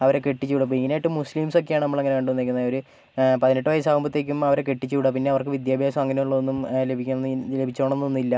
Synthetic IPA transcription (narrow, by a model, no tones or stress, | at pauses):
ɐʋɐɾeke̞ʈːit͡ɕːuʋiɽɐp̬ːoiŋːɐneajiʈːɨmusliːmso̞k̬ːejaːɳɨnɐmːɐɭeŋːɐneʋeːɳɖɨʋonːekʲːunːɐioɾu | pɐðineʈːɨʋɐjɐsaːʋumbɐt̪ːe̞kʲːumɐʋɐɾekeʈːit͡ɕːuʋiɽɐp̬inːe̞ɐʋɐrkɨʋid̪jaːbʱjaːsɐmɐŋːɐne̞juɭːɐonːumlebʱik̪ʲːle̞bʱit͡ɕːoːɳenːuonːilːɐ